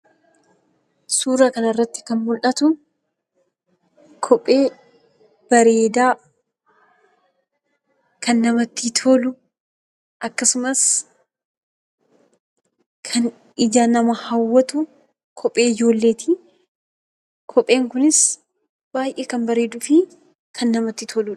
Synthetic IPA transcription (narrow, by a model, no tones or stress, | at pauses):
suːɾaːkɐnɐɪrːɐt̪ːɪ̥kɐnmʊlʔɐt̪ʊ | kʰɔpʼːe̞ː | b̥ɐɾe̞ːd̪aː | kʰɐnːɐmɐt̪ːit̪ʰoːlʊ | ʔɐkːɐsʊmɐs | kʰɐn | ɪd͡ʒaːnɐmɐhɐwːɐt̪ʊ | kʰɔpʼːe̞ːɪd͡ʒo̞ːlːe̞ːt̪ʰɪ | kʰɔpʼːe̞ːŋkʊnɪs | b̥aːjʔeːkɐnbɐɾe̞ːd̪ʊfɪ | kʰɐnːɐmɐt̪ːɪt̪ʰoːlʊ